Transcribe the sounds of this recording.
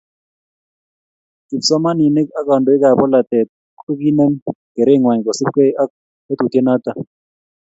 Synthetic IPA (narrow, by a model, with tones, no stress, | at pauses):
ki˨psɔ˦ma˦ni˨ne˦ka˦ka˨ndo˨i˦ka˨pɔ˦la˨tɛ˨t̚ | ko˦ki˦nɛ˦ŋkɛ˨ɾɛ˦˨ŋwa˨ɲ˨kɔ˨sɪ˦pke˦a˦ | e˦t̪u˨te˦na˦t̪a˦˨